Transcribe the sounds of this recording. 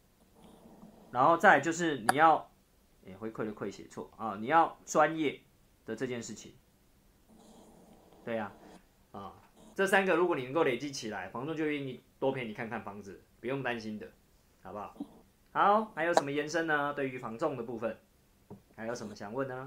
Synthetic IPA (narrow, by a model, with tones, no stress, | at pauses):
ɻa˧˥nxo˥˧ʊt͡sa˥˧ɪt͡ɕjo˥˧ʊʂ̬ɻ̩˥˩ni˨˩jɑ˥˨ʊ | e˨˩xwe˧˦kʰwe˥˩ɪlə˨˩kʰwe˥˩ɪɕjɛ̰˨˩t͡sʰwɔ̰˥˨ɔ˥˨ni˨˩jɑ˥˨ʊʈ͡ʂwa˦njɛ˥˩ | d̪̥ə˩ʈ͡ʂɤ˥˧t͡ɕjɛ˥˧nʂɻ̩˥˩t͡ɕʰḭ˨˩ŋ | t̪we˥˩ɪa˩ | ə˨˩ | ʈ͡ʂɤ˥˨sa˦nɡə˨ɻu˧˥kwɔ˨ni˨˩ə˧ŋko˥˩ʊle˨˩ɪt͡ɕi˨˦t͡ɕʰi˨la˧˦ɪfɑ˧˦ŋt͡sɔ˥˧ŋt͡ɕjo˥˧˥ɥi˥˧ŋi˥˩t̪wɔ˦˥pʰjɛ˥ni˨˩kʰa˥˧nkʰa˥˩nfɑ˧˦˥ŋd͡zɨ˨pu˧jo˥˨ŋt̪a˦nɕi˦nd̪ə˨ | ha˨˩ʊba˨˦ | ha˨˦xa˧˥ɪjo˨ʊʂə˨˦mə˧jɛ˧˦nʂə˦ŋnə˧t̪we˥˩ɪy˧˦fɑ˧˥ŋt͡sɔ˥˨ŋd̪ə˨pu˥˧˩fə˨˩n | ha˧˥ɪjo˨˩ʊʂə˧˦mə˦ɕɑ˨˩ŋwə˥˨nːə˨˩